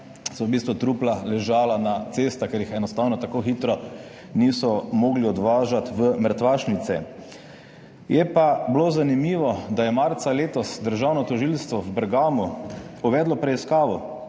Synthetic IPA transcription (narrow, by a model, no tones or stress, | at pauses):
sɔbist̪ʋut̪ɾuːplalɛʒaːlanat̪sest̪akeɾjixɛnɔst̪aːwnɔt̪akoxiːt̪ɾɔ | niːsɔmoːɡliɔd̪ʋaːʒat̪ʋəməɾt̪ʋaːʃnit̪sɛ | jɛpabloːzanimiːʋɔd̪ajɛmaɾt̪saleːt̪ɔsd̪əɾʒaːwnɔt̪ɔʒilst̪ʋɔwbɛɾɡaːmuuʋɛːd̪lɔpɾɛiskaːʋɔ